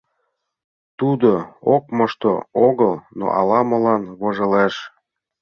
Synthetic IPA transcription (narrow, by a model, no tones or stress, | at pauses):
t̪ud̪ookmɤʃt̪ooɣəlno̰ʔɑ̰lɑmɤ̆lɑnβoʒɤ̆leʃ